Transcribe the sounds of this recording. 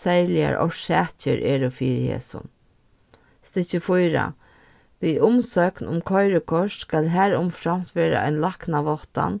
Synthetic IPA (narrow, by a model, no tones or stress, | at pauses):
sɛɾlɪa̰ɾɔ̰ʃɛːt͡ʃə̰ɾʔeːɾʊfiːɾhḛːsʊ̰n | st̪ɪt͡ʃəfʊjɾa̰ | ʋiːʔʊmsœknʊmkʰɔjɾəkʰɔʂskaːlɦæːɾʊmfɾam̥t̪ʋeːɾa̰a̰ɪnlaknaʋɔht̪a̰n